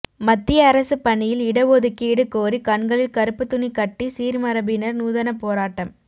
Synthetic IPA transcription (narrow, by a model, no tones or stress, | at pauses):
mɐt̪ːɪjɐːɾɐsɯpɐɳɪjɪlɪɽɐʋoːðɯkːiːɽɯkoːɾikɐɳɡɐɭɪlkɐɾɯpːɯt̪ːʊnikɐʈːisiːɾmɐɾɐbɪnɐɾnuːðɐnɐpoːɾaːʈːɐm